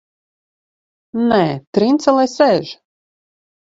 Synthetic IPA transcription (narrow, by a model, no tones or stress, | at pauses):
nɛːt̪ɾint̪sɛlˠɛjsɛʒ